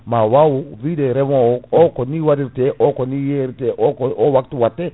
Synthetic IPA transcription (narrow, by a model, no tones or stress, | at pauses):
mawawuvidɛɾɛmookoniwadiɾteʔokonijeɾteʔokowaktuwatːe